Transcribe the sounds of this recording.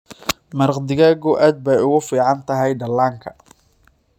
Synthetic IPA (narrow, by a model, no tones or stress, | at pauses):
mɐrqd̪ɪɣɐɡɔʔaːd̪̚bɛjʊɣʊfiːʕɑnt̪ʰɐɦɛjɖɐlaːŋkʰɐ̥